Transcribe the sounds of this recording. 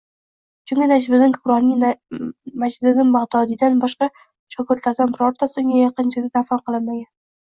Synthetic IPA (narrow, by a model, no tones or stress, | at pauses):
t͡ʃʰʊŋʲɪnad͡ʒbɪnɪŋkʰʊbɾɒnɪ | mad͡ʒɪd̪ɪnɪŋmɑʁd̪ɒd̪ɪd̪anbɒʃqɑ | ʃʰɒkʰʊɾt̪laɾd̪anbɪɾɒɾt̪asoŋjajɑqɨnd͡ʒɪɾd̪ɪd̪afanqʰɨlˠɪnmaɡʲan